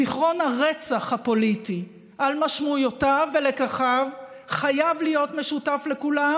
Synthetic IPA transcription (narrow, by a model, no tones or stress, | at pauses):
iχʁo̞nhaʁet͡saχhapo̞liti | ʔalmaʃmujotave̞le̞kaχav | χajavlijo̞tme̞ʃutafle̞kula